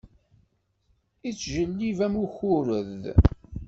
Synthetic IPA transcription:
it͡sːʒəlːivæmuçʊɾəð

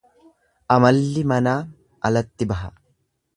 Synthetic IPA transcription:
ʔɐmɐlːɪmɐnaː | ʔɐlɐt̪ːɪbɐɦɐ

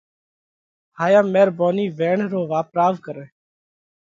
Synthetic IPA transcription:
ɦhaːjaːmeːɾboːniːʋeːɳɾoːʋaːpɾaːʋkəɾẽː

